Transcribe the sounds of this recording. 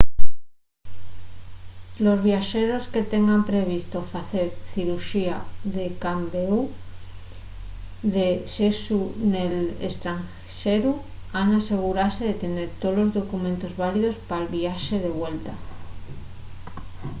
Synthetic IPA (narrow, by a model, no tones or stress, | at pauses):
lo̞zβjaʃe̞ɾo̞ske̞t̪e̞ŋɡampɾe̞β̞ist̪o̞faθe̞ɾθiɾuʃiaðekambeu | ðeʃesunelḛst̪ɾaŋ | ʃeɾu | anase̞ɣ̞uɾaɾse̞ðe̞t̪e̞ne̞ɾt̪olo̞zðo̞kumẽ̞nt̪o̞zβaliðo̞spaelβiaʃe̞ð̞e̞βwe̞lt̪a